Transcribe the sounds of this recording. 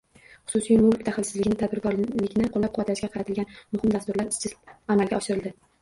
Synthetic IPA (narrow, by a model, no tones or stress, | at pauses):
χʊ̥sʊsijmʊlˠkʲt̪ʰaχlɪlsɪzlɪɡʲɪnɪt̪ʰad̪bɪɾkɒɾlɪkʲnɪqʰolːap̚qʰʊvat̪laʃɡʲaqʰɑɾat̪ʰɪlɡʲanmʊhɪmd̪ast̪ʊɾlaɾɪst͡ʃʰɪzamalɡʲaɒʃɪɾɪld̪ɪ